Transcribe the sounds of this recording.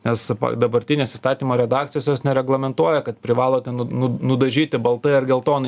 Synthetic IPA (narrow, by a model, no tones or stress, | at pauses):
nʲɛspɐ̰d̪ɐbɐɾʲt̪ʲɪnʲeːsɪst̪ɑːt̪ʲiːmoːɾʲɛd̪ɑːk̚t̪ʲɪjoːsʲjoːsnʲɛɾʲɛɡlˠɐmʲɛnt̪uɔjɛkɐt̪pʲɾʲɪʋɑːlˠoːt̪ʲɛnnʊnʊd̪ɐʒʲiːt̪ʲɪbɐlˠt̪ɐɪɐɾɡʲɛlˠt̪oːnɐɪ